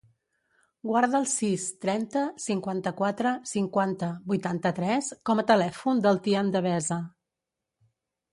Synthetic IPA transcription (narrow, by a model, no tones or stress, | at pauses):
ɡwaɾðəːlˠsist̪ɾɛnt̪əsiŋkwant̪əkwat̪ɾəsiŋkwant̪əβujt̪ant̪ət̪ɾɛskɔmət̪əlɛfund̪əlˠt̪iənd̪əβ̞ɛzə